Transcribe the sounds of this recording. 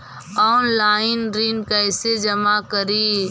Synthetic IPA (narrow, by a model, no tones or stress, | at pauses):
ɔːnlaːɪnɾiːnkəɪsed͡ʒɐmakəɾiː